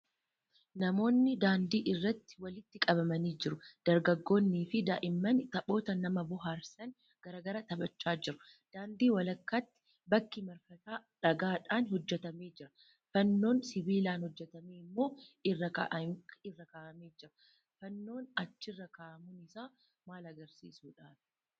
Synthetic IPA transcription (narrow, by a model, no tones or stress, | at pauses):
nɐmo̞ːnːɪd̪aːnd̪iːʔɪrːɐt̪ːɪ̥wɐlɪt̪ːɪkʼɐbɐmɐniːd͡ʒɪɾʊd̪̥ɐɾɡɐɡːo̞ːnːiːfɪd̪a̰ːʔɪmːɐnt̪ɐbo̞ːt̪ɐnɐmɐbʊɦaːɾsɐn | ɡ̥ɐɾɐɡɐɾɐt̪ɐbɐt͡ʃːaːd͡ʒɪɾʊ | d̪̥aːnd̪iːwɐlɐkːaːt̪ːɪ̥ | bɐkːɪmɐɾfɐt̪aːᶑɐɡaːᶑaːnhɔd͡ʒːɛt̪ɐmeːd͡ʒɪɾɐ | fɐnːo̞ːnsɪbiːlaːnhɔd͡ʒːɛt̪ɐmeːɪmːo̞ːɪrːɐkɐ̰ʔɪrːɐkaːʔɐmeːd͡ʒɪɾɐ̥ | fɐnːo̞ːnɐt͡ʃːɪrːɐkaːʔɐmʊnɪsaː | maːlɐɡɐɾsḭːsuːᶑaːfɪ̥